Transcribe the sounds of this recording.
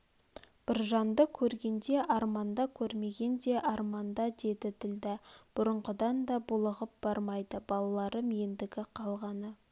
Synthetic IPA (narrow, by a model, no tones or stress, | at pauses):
b̥ɪɾʒɑnd̪əkʲʰɵɾɡʲe̞nd̪e̞ʔɑɾmɑnd̪ɑkʲʰɵɾme̞ɡʲe̞nd̪e̞ʔɑɾmɑnd̪ɑd̪e̞d̪ɪd̪ɪld̪ɪb̥ʊɾəɴʁəd̪ɑnd̪ɑbʊlˠəʁəp̚b̥ɑɾmɑjd̪əbɑlˠɑlˠɑɾəmɪjend̪ɪɡʲɪqʰɑlˠʁɑnə